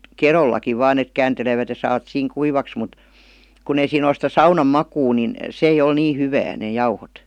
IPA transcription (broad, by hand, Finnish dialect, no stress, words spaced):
kerolˑɑki ʋɑːn et kæːnteleʋæt jɑ sɑːʋɑt siːŋ kuiʋɑks mut kun ei siːn ol sĭtæ sɑunɑm mɑkuː nin s eij ol niː hyʋæː neˑ jɑuhot